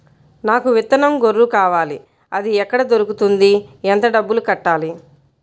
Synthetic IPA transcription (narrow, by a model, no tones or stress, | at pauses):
naːkuʋit̪ːɐnɐmɡoɾːukaːʋaːli | ɐd̪iɛkːɐɽɐd̪oɾukut̪und̪iɛnt̪ɐɖɐbːulukɐʈːaːli